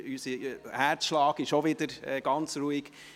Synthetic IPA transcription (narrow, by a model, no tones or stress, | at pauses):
ysəhæɾt͡sʃlɑːɡɪʃoʋɪd̪əɾɛɡ̥ɑnt͡sɾuːiɡ̥